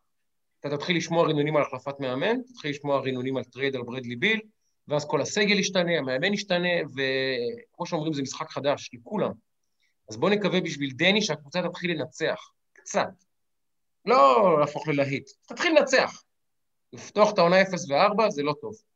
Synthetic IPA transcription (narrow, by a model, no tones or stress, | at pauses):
at̪at̪at̪χiliʃmo̞aʁinonimalaχlafat̪meame̞nt̪ḁt̪χiliʃmoaʁinonimalt̪ʁed̪albʁed̪libil | veazko̞lase̞ɡe̞liʃt̪ane̞ameame̞niʃt̪ane̞ve̞kmo̞ʃeo̞mʁimzemisχakχad̪aʃlekulam | azbo̞nekavebiʃvild̪eniʃeakvut͡sat̪at̪χilenat͡se̞a̰χ | kt͡sat̪ | lo̞laːfo̞χlelaɦit̪t̪at̪χilːenat͡sea̰χ | lift̪o̞aχet̪aonaefesveaʁbazelo̞t̪o̞v